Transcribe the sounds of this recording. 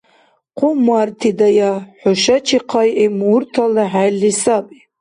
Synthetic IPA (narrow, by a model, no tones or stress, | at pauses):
qʰʷʊmartʰidajaħʊʃat͡ʃʰiqʰajemurtʰalaħajlːisapʼi